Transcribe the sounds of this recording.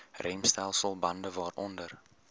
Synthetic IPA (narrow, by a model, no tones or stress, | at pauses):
rʔɛjmstɛlˠsəlˠbɐndəvɑːɾɔndər